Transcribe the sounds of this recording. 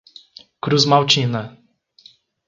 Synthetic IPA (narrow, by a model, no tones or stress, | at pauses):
kɾuzmawt͡ʃina